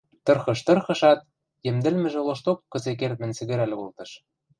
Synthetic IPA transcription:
t̪ɤ̆rxɤ̆ʃt̪ɤ̆rxɤ̆ʃɑt̪̚ | jɘ̆md̪ɘ̆lmɘ̆ʒĕloʃt̪okːɤ̆zek̬ert̪̚mɘ̆nt͡sɘ̆ɣɘ̆ɾælʲolt̪ɤ̆ʃ

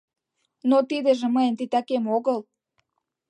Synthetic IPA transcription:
not̪id̪ĕʒĕməjent̪it̪ɑkemoɣəl

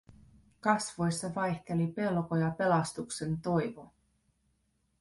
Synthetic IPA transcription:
kɑsʋo̞jsːɑʋɑjçt̪e̞lipe̞lko̞jɑpe̞lɑst̪ukse̞nt̪o̞jʋo̞

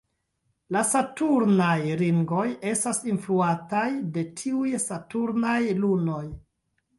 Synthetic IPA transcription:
lasatuɾnajɾiŋɡo̞je̞stasinfluatajde̞tʰiujsatuɾnajluno̞j

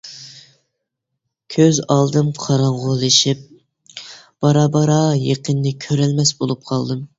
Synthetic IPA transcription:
kʲʰøzɑlˠd̪ɨmqʰɑɾɑɴʁolˠɨʃip̚ | b̥ɑɾɑːbɑɾɑjeqənːɨkʲʰøɾɛlmɛsbolˠup̚qʰɑlˠd̪ɨm

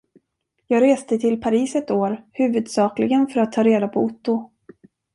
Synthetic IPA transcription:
jɑːɡɾeːst̪ət̪ʰɪlpʰaɾiːsɛt̪oːɾhʉ̟ːvɵd̪sɑːklɪɡənfœɾat̪ʰːɑːɾeːd̪apʰɔʊt̪ːʊ

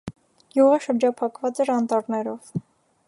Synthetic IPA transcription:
juʁəʃəɾd͡ʒɑpʰɑkvɑt͡sɛɾɑnt̪ɑɾnɛɾɔv̥

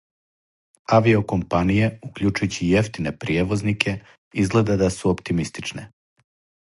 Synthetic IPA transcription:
aʋio̞ko̞mpanije̞ukʎut͡ʃujut͡ɕijeft̪inepɾijeʋo̞znikʰe̞ | izɡle̞d̪ad̪asuopt̪imist̪i̥t͡ʃne

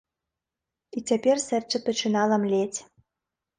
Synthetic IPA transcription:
itʲepʲerʲsɘ̆rt͡ɕɘ̆pɘ̆t͡ɕɘ̆nɑlə̆mlʲetʲ

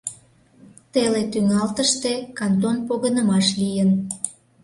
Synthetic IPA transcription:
t̪elet̪yŋɑlt̪əʃt̪ekɑnt̪̬onpoɣənəmɑʃlijən

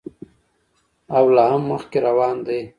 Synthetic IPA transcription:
awlaɦamːəxkeɾawɑːnd̪aj

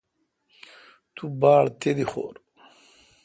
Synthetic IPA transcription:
t̪ubaːɭt̪ʰed̪ixo̰ːɾ

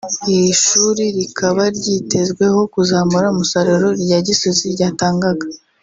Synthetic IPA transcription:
ihiʃuːɾiɾikʰaβaɾɟite̞zɡwe̞ho̞kuzaːmuɾaumusaɾoɾo̞ɾjaːɟisoziɾɟaːtaːŋɡaɡḁ

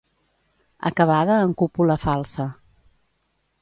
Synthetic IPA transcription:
ə̰kəβ̞aðəːŋkupuləfalˠsə

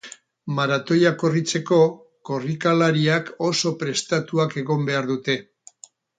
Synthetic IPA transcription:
maɾat̪o̞jako̞rit͡se̞ko̞ | ko̞rikalaɾiako̞so̞pɾe̞st̪at̪uake̞ɣo̞mbe̞aɾðut̪e̞

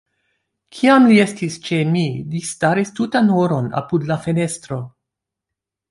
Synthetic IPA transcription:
kʰiamlie̞stist͡ʃe̞milistaɾistutanoɾo̞na̰pudlafe̞ne̞stɾo̞

